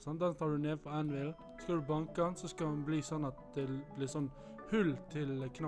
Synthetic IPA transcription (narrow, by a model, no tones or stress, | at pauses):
sɑnɑnt̪ʰɑːɖʉneːfɔænʋɪl | skɑld̪ʉbɑŋkɑnsɔskɑɑnbliːsɔnːɑt̪̚d̪ɛblɪɾsɔnː | hʉlt̪ʰɪlkʰnɑ